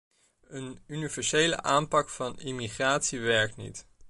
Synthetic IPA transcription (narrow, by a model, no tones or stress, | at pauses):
ənynivɛɹsejlə̰ʔaːmpɑkfɑnimiχraːtsiʋɛɹk̚tnḭt